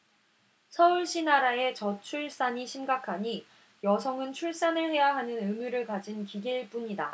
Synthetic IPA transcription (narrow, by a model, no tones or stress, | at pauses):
sʰʌuɭɕ͈inaɾae̞t͡ɕʌt͡ɕʰuɭs͈aɲiɕʰimɡakʰaɲi | jʌsʰʌŋɯnt͡ɕʰuɭs͈anɯɭɸe̞jaɦanɯnɯmjuɾɯɭkad͡ʑinkiɡiɭp͈uɲida